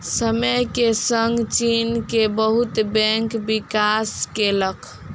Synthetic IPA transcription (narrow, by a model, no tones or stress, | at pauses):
səməjkesəŋɡt͡ʃinkebəɦut̪bɛ̃ŋkbikaskelək